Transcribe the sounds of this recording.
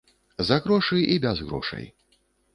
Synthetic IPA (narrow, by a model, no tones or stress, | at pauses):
zɐɣɾɔʂɨjʔibʲazɣɾɔ̰ʂɐ̰j